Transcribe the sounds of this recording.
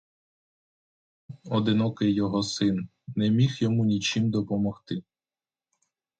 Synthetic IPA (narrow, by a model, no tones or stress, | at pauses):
ɔd̪ɪnɔkɪjːɔɦɔsɪn | nɛmʲixjɔmunʲit͡ʃimd̪ɔpɔmɔxt̪ɪ